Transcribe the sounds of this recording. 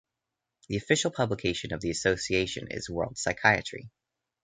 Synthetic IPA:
ðiɨfɪʃl̩ˠpʰʌbləkʰeɪʃɨ̃nʌvðiɨsoʊsieɪʃɨ̰̃nɪ̰zwɜ̰˞lˠd̥saɪkʰaɪɨ̰t͡ʃɹ̥ḭ

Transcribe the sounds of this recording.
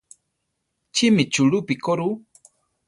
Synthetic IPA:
t͡ʃimit͡ʃuɺupikoɾu

